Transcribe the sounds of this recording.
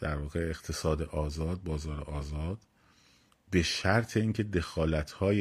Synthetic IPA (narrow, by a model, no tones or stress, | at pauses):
d̪̥æɾvɒːɣeeɣ̥t̪ʰe̞sɒːd̪eʔɒːzɒːd̪̚bɒːzɒːɾḛʔɒːzɒːd̪̥ | be̞ʃæɾt̪ʰe̞iːŋcʰe̞d̪e̞xɒːlæt̪ʰhɒːje